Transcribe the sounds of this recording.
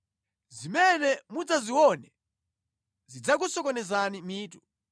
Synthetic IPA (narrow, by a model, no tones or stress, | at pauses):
zimɛnɛmud͡zaziwɔnɛ | zid͡zak̬usɔkɔnɛzanimiːtu̥